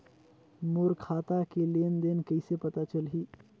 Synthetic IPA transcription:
moɾkʰat̪akelend̪enkəjsepət̪at͡ɕəlɦi

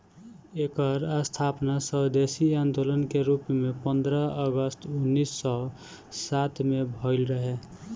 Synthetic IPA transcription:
eːkəɾəst̪ʰapnasəɦd̪esiãnd̪olənkeɾupmepə̃nd̪ɾəəɡəst̪ʰunːisːɔ | sat̪ʰmebʱəɪlɾəɦe

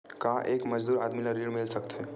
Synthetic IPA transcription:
kaʔeːkmɐd͡ʒd̪uːɾaːd̪milaɾiɽmɪlsək̚t̪e

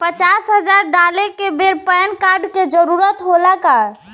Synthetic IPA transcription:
pət͡ʃasɦəd͡ʒaɾɖalekebeɾpəjnkaɾɖked͡ʒəɾuɾət̪ɦolaka

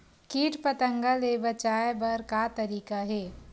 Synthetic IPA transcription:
kiːʈpɐt̪ə̃ŋɡəlebɐt͡ʃaːjbɐɾkat̪ɐɾiːkaɦɛː

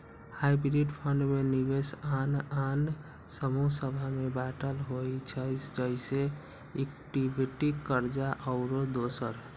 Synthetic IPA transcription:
haibɾiɖpʰə̃ɳɖmenibesanan | səmusəbʱamebaʈəlɦoit͡ʃʰəɪsd͡ʒəɪse | ek̚ʈibiʈikəɾd͡ʒaʔəʊɾod̪oːsəɾ

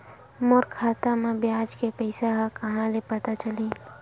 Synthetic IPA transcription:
mʊɾkʰaːt̪amãbjaːd͡ʒkepɛɪsaɦãkɐɦãlepɐt̪at͡ʃɐliː

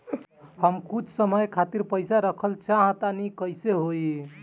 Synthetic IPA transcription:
həmkut͡ʃʰsəməjkʰat̪iɾpəjsaɾəkʰəlt͡ʃaɦt̪anikəjseɦoi

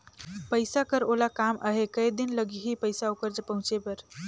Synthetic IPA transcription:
pəɪsakəɾolakamʔə̰ɦekəjd̪inləɡiɦipəjsaokəɾd͡ʒəpəɦũt͡ʃepəɾ

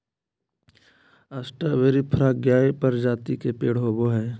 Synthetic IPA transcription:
asʈəʋeːɾipʰɾaːɡjaːepɐɾd͡ʒaːt̪ikepeːɽɦoboɦɛː

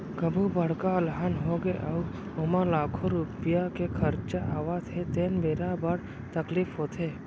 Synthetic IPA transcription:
kəbʱubəɽ̤kalɦaːnɦoɡeʔa | ʊmalaːkʰoɾupɪjakekʰəɾt͡ʃaʔaːʋat̪ʰet̪eːnbeːɾabəɽ | t̪əkliːfɦoːt̪ʰeː

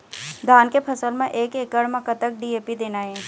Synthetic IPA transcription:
d̪ʱaːnkepʰɐsəlmẽʔeːkeːkəɽmɐ̃kət̪ək̚ɖiːeːpid̪eːnaɦɛ̃ː

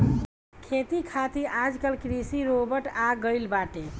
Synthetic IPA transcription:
kʰet̪ikʰat̪iʔad͡ʒkəlkɾisiɾobəɾʈaɡəjlbaʈe

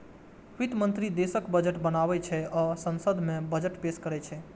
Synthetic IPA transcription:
ʋit̪mənt̪ɾid̪esəkbəd͡ʒəʈbənabɛt͡ʃʰɛɔsənsəd̪ʱmẽbəd͡ʒəʈpeskəɾɛt͡ʃʰɛ

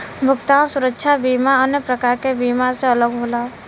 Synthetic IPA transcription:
bʱʊkt̪aːʋsʊɾəkʃʰabiːmaənjəpɾəkaːɾkebiːmaseələɡɦoːlaː

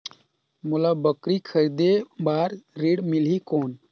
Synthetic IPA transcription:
mulabəkɾikʰəɾid̪ebaːɾɾiːɽmilɦikoːn

